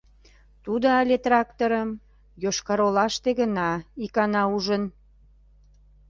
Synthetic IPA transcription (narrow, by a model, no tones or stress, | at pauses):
t̪ud̪oɑlʲet̪rɑkt̪oɾəm | joʃkɑɾolɑʃt̪eɣənɑikɑnɑuʒən